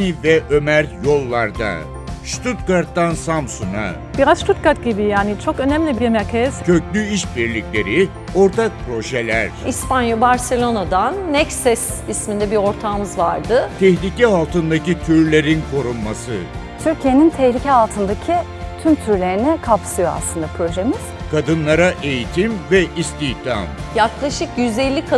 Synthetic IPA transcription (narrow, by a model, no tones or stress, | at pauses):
ivɛʔømæɾjo̞lˠːaɾd̪a̰ | ʃt̪ʰut̪̚kaɾt̪ːansamsuna̰ | b̥iɾazʃt̪ʰut̪̚kaɾt̪̚ɟibijaːnit͡ʃʰo̞kø̞næmlʲibijemɛcʰɛz̥cʰøclʲyiʃbiɾlʲiclʲe̞ɾi | o̞ɾt̪ʰak̚pʰɾo̞ʒelʲæɾ̥ispanjabaɾse̞lʲo̞nad̪anːɛcsɛsismind̪ɛbiɾo̞ɾt̪ʰaːmɯzvaɾd̪ɯt̪ʰɛçlʲicɛɦalˠt̪ɯnd̪acit̪ʰyɾlʲe̞ɾinkʰo̞ɾunmasɯ | t̪ʰyɾcʰijenint̪ʰɛçlʲicʰɛalˠt̪ʰɯnd̪acʰi | t̪ʰymt̪ʰyɾlʲe̞ɾinɛkʰapsɯjoa̰slˠɯnd̪apʰɾo̞ʒemiz̥kʰad̪ɯnlˠaɾaʔe̞jit̪ʰimvɛʔist̪içt̪ʰa̰mjaklˠaʃɯkjyzelʲːikʰa